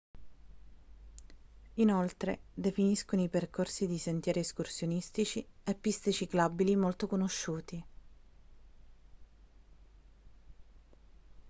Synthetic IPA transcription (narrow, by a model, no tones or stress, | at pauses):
inolt̪ɾed̪efiniskonoiperkʰorsid̪isent̪jɛːɾieskursjonist̪it͡ʃiepːist̪et͡ʃiklabilimolt̪okonoʃːuːt̪i